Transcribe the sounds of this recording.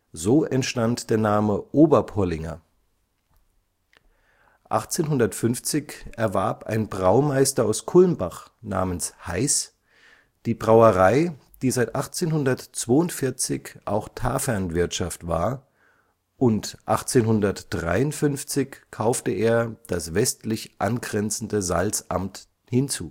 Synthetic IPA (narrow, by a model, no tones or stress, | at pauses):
zoːʔɛntʃtantd̥eːɐnaːməʔoːbɐpʰɔlɪŋɐ̰ | ʔa̰χt͡seːnɦʊndɐtfʏnft͡sɪçʔɛɐvaɐpa̰ɪnbʁaʊmaɪstɐaʊskʰʊlnbaχna̰ːmənshaɪs | d̥iːbʁaʊəʁaɪ | d̥iːzaɪtʔaχt͡seːnhʊndɐtt͡sv̥oːʊntfɪɐt͡sɪçʔa̰ʊxtʰaːfɛɐnvɪɐtʃaftv̥a̰ːɐ | ʔʊntʔa̰χt͡seːnhʊndɐtd̥ʁa̰ɪʊntfʏnft͡sɪçkʰaʊftəeːɐd̥asv̥ɛstlɪçʔa̰nɡʁɛnt͡sn̩dəza̰lt͡sʔa̰mt | hɪnt͡sṵː